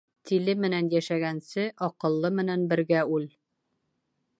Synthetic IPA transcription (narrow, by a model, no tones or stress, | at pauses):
t̪ilɘmɘ̆nænjæʃæɡænsɘʔɒqɤ̆lˠːɤmɘ̆nænbɘ̆ɾɡæʉl